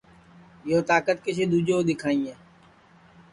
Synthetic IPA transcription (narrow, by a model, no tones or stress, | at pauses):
joːt̪aːkət̪keseːd̪uːd͡ʒoːd̪ɪkʰaːĩːɛː